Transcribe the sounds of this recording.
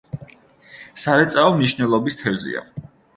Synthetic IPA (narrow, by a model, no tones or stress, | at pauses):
saɾɛt̪sʼaɔmniʃnɛlˠɔbist̪ʰɛvzḭa̰